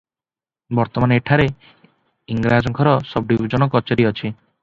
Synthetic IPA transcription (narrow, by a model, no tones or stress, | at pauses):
bɔɾt̪ɔmaneʈʰaɾe | iŋɡɾad͡ʒɔŋkʰɔɾɔsɔb̚ɖibɔd͡ʒɔnɔkɔt͡ʃɔɾiɔt͡ʃʰi